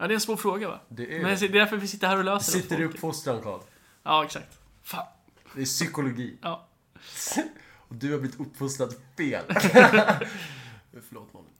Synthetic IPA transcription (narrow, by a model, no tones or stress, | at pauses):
jɑːd̪ɛɛnsvoːɾfɾoːɡava̰d̪ɛmɛnjasɪɖɛd̪æɾfœvɪsɪt̪ːəɾhæːɾɔløːsəsɪt̪ːəɾɪɵpːfʊst̪ɾankʰɑ̰ːd̪ | jɑːɛksak̚t̪ | fa | d̪ɛsʏkʊlʊɡiːjɑː | ɔd̪ɵhaɾblɪvɪt̪ɵpːfʊst̪ɾad̪feːl | fəɭo̰ːt̪mɔ̰n